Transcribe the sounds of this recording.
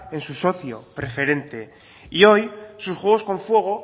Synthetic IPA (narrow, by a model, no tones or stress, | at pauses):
ensuso̞θjo̞̰pɾe̞feɾe̞nt̪e̞ | io̞jsusxwe̞ɣ̞o̞skõ̞ɱfwe̞ɣ̞o̞